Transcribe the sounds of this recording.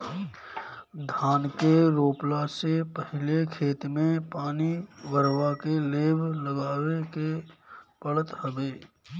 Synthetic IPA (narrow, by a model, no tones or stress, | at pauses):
d̪ʱaːnkeɾoːplasepəɦɪlekʰeːt̪mẽpaːniʋəɾwakeleːbʱləɡaːwekepəɭət̪həbeː